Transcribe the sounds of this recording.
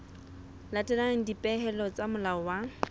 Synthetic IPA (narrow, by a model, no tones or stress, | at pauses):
latʼɛlaŋ̩dipʼɛɦɛlɔt͡samʊlaɔwa